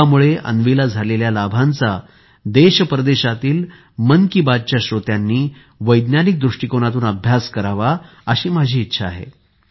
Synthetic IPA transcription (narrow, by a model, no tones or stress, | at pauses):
amuɭeʔə̰nʋilad͡zʱaleljalabʱant͡sa | d̪eɕəpɾəd̪eɕat̪iːl | mənkibad̚t͡ɕjaɕɾot̪janːiː | ʋəjd̪njanik̚d̪ɾuʂʈikonat̪uːnəbʱjaskəɾaʋa | əɕiːmad͡ʑʱiːtːɕʰaːɦḛ